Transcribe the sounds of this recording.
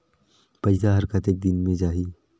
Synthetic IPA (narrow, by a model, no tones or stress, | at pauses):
pɐɪsaɦɐɾkət̪ek̚d̪ɪnmẽd͡ʒaːɦiː